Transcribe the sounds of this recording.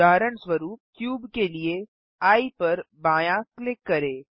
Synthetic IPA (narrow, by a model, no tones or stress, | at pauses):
aːɾəɳsʋɐɾuːp̚kjuːbkelie | aːipɐɾbãːjãklɪkːɐɾeː